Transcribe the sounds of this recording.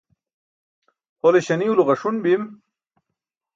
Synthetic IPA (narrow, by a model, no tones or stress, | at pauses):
holeɕɐniuluʁɐʂunbim